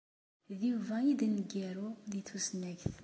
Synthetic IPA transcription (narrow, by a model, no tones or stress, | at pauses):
ðjuvæid̪nəɡiɾuðiθusnæɡθ